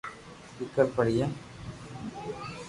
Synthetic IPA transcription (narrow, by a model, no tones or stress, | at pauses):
sɪkːɐɾpɐɽɪjɐ